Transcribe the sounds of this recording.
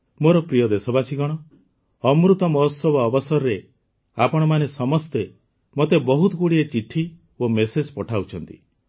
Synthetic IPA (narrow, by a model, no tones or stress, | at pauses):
moɾɔpɾijɔd̪esɔbasiɡɔɽ̃ɔ | ɔmɾut̪ɔmɔɦsɔbɔːbɔsɔɾɾe | apɔɽ̃ɔmanesɔmɔst̪e | mot̪ebɔɦut̪ɔkuɽiet͡ʃiʈʰi | omesed͡ʒpɔʈʰawt͡ʃʰɔnt̪ḭ